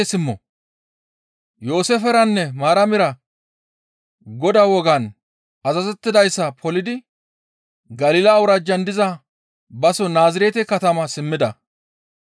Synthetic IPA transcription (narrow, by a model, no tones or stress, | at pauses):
sɪmːɔ̰ | jo̞ːsefɛɾɐnːɛmaːɾɐmɪɾɐ | ɡɔd̪awɔɡɐn | ɐzɐzɛt̪ːɪd̪ɐjsːɐpʰɔlɪd̪ɪ | ɡɐliːlaːwʊɾɐd͡ʒɐnd̪ɪzɐ | bɐsɔnaːzɪɾeːt̪ɛkɐt̪ɐmɐsɪmːɪd̪ɐ